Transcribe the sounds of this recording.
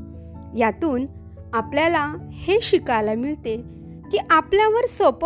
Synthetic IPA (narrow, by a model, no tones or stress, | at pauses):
jat̪uːn | apljalaheɕikajlamiɭt̪e | kiːʔapljaʋəɾsop